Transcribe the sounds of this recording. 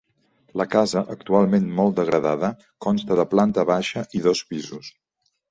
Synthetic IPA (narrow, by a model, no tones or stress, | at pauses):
ləkazəʔək̚t̪ualˠmenmɔlˠd̪əɣɾəðaðə | kɔnst̪əðəplant̪əβaʃəʔiðɔspizus